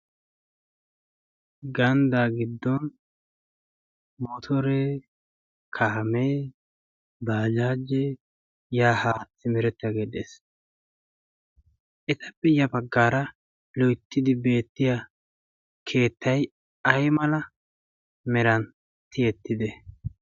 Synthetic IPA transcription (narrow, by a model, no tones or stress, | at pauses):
ɡɐnd̪aːɡɪd̪ːɔn | mɔt̪ʰɔɾe | kʰameː | baːd͡ʒaːd͡ʒe | jaːhaːt͡sːɪmɛɾɛt̪ːɐɡeːd̪ḛːs | ʔɛt̪ɐbɪjɐbɐɡːaːɾɐ | lɔjt̪ːɪd̪ɪbe̞ːt̪ːɪja | kʰe̞ːt̪ːɐj | ɐjmɐlɐ | mɛɾɐn | t̪ɪɛt̪ːɪd̪ɛ